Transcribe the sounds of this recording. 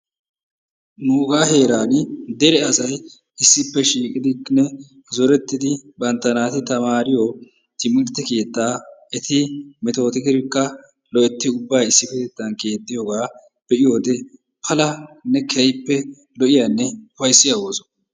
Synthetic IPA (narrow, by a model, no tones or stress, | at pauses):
nuːɡaːhe̞ːɾaːnd̪ɛɾɛɐsɐj | ɪsːɪpːɛʃiːkʼɪd̪ɪknɛ | zɔɾɛt̪ːɪd̪ɪbɐnt̪ːɐnaːt̪ɪt̪ɐmaːɾɪjo | t̪ɪmɪɾt̪ːɛke̞ːt̪ːaːɛt̪ɪmɛt̪o̞ːt̪ɪkɪɾɪkːɐ | lɔɛt̪ːɪʊbːaːjɪsːɪpːɛt̪ɛt̪ːɐnke̞ːt̪ːɪjoːɡaː | b̥ɛʔɪjo̞ːd̪ɛ | pʰɐlɐnːɛkʰɛjpːɛ | lɔʔɪjanːɛʊfɐjsːɪjɐwoːsɔ̥